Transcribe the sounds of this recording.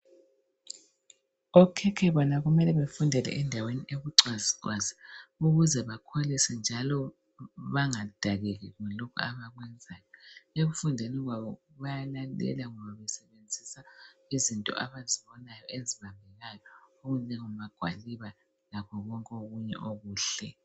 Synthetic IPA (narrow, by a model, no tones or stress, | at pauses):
ɔkʰɛkʰɛβɔnaɣumɛlɛβefundʱɛlɛ̰ʔɛndʱaweniʔeɣuǀaziǀwaziuɣuzɛβakʰolisɛnd͡ʒʱalɔ | βaŋad̥ʱaɣɛɣɛɣɔlokʰṵaβaɣwɛnd͡zʱaːjɔeɣufundʱɛnɛɣwaβɔ | βajalalɛ̰laŋɔβaβɛsɛβend͡zʱisaizintʼɔ̰ʔaβaziβɔnajɔeziβambʱɛɣajɔoɣulɛŋumβaɡ̥ʱwa̰liβa | laβʰɔɣɔŋkʼoɣuɲɛ̰ʔoɣuːɬɛ